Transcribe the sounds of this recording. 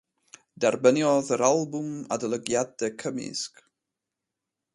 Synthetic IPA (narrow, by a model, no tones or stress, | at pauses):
d̥ɛrbənjɔðəɾalˠbʊma̰dəlˠəɡjadɛkʰəmɪ̰sk